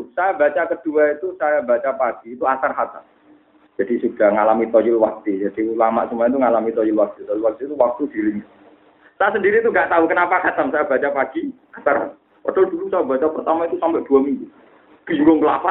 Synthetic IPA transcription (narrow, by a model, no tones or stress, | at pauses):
sajaba̤t͡ʃakəd̥uait̪usajabat͡ʃapaɡ̥iːt̪uasarhat̪a̰m | d͡ʒ̥ad̥isud̥a̤hŋalamit̪ɔjʊlwak̚t̪id͡ʒad̥ilama̰ʔsumaaɛt̪uŋalamit̪ɔjulwak̚t̪it̪ɔjlwak̚t̪it̪uwak̚t̪ud̥iɾɪŋ | sajasəndiɾit̪uŋɡaʔt̪aukənapakat̪ansajab̥a̤t͡ʃapaɡ̥i | asara̰ | ɔ̰d̥ad̥ulusajabat͡ʃapərt̪amait̪usampɛʔd̥ṳamiŋɡu | ɡ̥iŋɡoŋkla̰fa